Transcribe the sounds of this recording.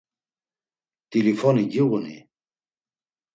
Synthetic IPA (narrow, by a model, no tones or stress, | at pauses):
t̪ʼilifɔniɡiɣunḭ